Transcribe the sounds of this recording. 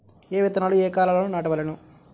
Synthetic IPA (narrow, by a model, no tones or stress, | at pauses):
eːʋit̪ɐnaːlueːkaːlaːloːnunaːʈɐʋɐlenu